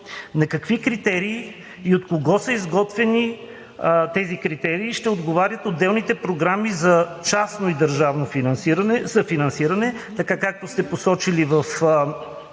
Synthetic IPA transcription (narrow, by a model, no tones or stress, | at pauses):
nɐkɐkvikɾit̪ɛɾiː | ot̪koɡɔsəizɡɔt̪vɛni | t̪ɛzikɾit̪ɛɾiːʃt̪ɛod̪ɡovaɾʲjət̪od̪ːɛlˠnit̪ɛpɾoɡɾamizɐt͡ʃasnoid̪ɐɾʒavnofinɐnsiɾɐnɛzɐfinɐnsiɾɐnɛ | t̪ɐkakak̚t̪ost̪ɛposɔt͡ʃilivɐf